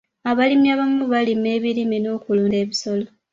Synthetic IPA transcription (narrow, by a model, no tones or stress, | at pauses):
aβalimjaβamuβalime̞ːβilimino̞ːkuluːnde̞ːβiso̞lo